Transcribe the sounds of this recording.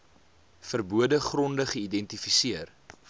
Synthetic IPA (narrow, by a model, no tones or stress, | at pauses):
fərbuədəχrɔndəχəidɛntifisiər